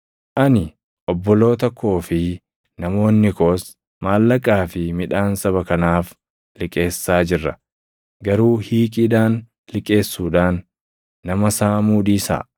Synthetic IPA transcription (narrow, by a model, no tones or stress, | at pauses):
ʔɐnɪ | ʔɔbːɔlo̞ːt̪ɔkʰːo̞ːfɪ | nɐmo̞ːnːɪko̞ːs | maːlːɐkʼaːfɪmɪᶑaːnsɐβɐkɐnaːf | lɪkʼe̞ːsːaːd͡ʒɪrːɐ | ɡɐɾuːhiːkʼɪd̪aːn | lɪkʼe̞ːsːuːᶑaːnː | ɐmɐsaːmuːd̪iːsa̰ːʔ